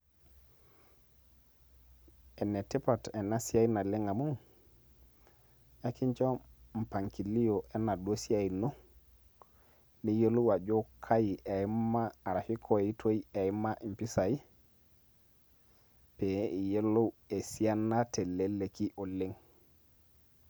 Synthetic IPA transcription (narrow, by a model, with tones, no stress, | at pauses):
e˨ne˨ti˦pa˨te˨na˦si˦a˦i˦na˨le˦ŋa˨mu˦ŋ | ja˦ki˦ɲt͡ʃo˦m̩˨pa˨ŋki˨li˦o˨ʔe˦na˨dwo˦si˦a˦˨i˨no˦ | ni˦je˦lo˦wa˨d͡ʒo˦kʰa˦ji˨ʔe˨i˦mmaː˦˨ɾa˨fi˦kʰo˨i˦tʰo˦i˦e˨i˦ma˦ʔi˨mpi˦sa˨i˦ | pe˨i˨je˦lo˦e˨si˦a˦nːa˦te˨le˦le˨ki˦ʔo˨le˦ŋ